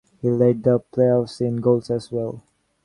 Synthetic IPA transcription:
hiledəpʰleɔfsĩnɡolsɛswɛlˠ

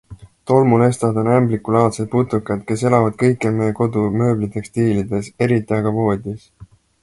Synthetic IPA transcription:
t̪o̞lmule̞st̪ɑd̪o̞næmblikːˑulɑːt̪sed̪̚put̪ˑːukːˑɑd̪̥ke̞se̞lɑvɑd̪̥̚kɤjkːˑelmejko̞d̪umø̞ːblit̪e̞kst̪iːlid̪e̞se̞ɾit̪ːˑiɑɡ̥ɑvo̞ːd̪̥ʲis

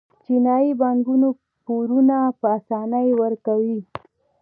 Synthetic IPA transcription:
t͡ʃinɑjibaŋɡuno | poɾunapəasɑnajwəɾkawi

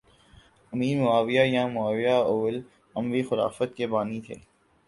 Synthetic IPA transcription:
ɐmiːɾmʊaːʋijajãmʊaːʋijaʊːl | ɐ̃mʋixʊɾa̰ːfət̪̚kebaːnit̪ʰḛː

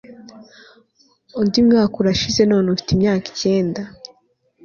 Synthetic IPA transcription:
undimŋaːkuɾaʃize̞no̞ːnofi̥timɲaːki̥ce̞ːnda

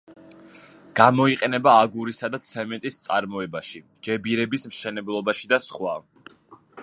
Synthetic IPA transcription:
ɡ̥amɔiqʼɛnɛbaːɡuɾisad̪at̪sʰɛmɛnt̪ʼist̪sʼaɾmɔɛbaʃi | d͡ʒɛbiɾɛbismʃɛnɛblˠɔbaʃid̪asχwa

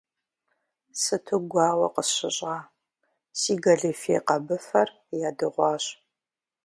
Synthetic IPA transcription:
sɨtʰɨɡʷɑːwɐ̰qəɕɪɕʼʁɑː | siːɡɐɮifḛqɐbɨfɐr | jaːdɨʁʷɑːɕ

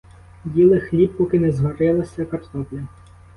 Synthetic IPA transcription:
bʲilˠɪxlʲip̚pɔkɪnɛzɦɔɾɪlˠɐsʲɐkɐrt̪ɔplʲɐ

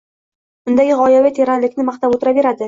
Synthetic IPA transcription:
bʊnd̪aɡʲɪʁɒjavɪt̪ʰeɾanlɪkʲnɪmaχt̪apot̪ɪɾave̞ɾad̪ɪ

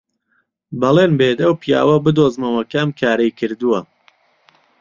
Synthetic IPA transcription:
bɐlˠeːnbeːt̪ɐwpija̰ːwɐbɨd̪oːzmɐwɐkamkʰaːɾɐjkʰɨɾd̪uwɐ

